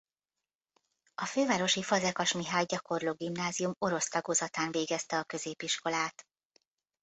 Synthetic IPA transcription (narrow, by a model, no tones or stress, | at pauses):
ɒføːvaːɾo̞ʃifɒzɛkɒʃmiɦaːjɟɒko̞rloːɡimnaːzijumo̞ɾo̞st̪ɒɡoːzɒt̪aːnveːɡɛst̪ɛɒkø̞zeːpiʃko̞laːt̪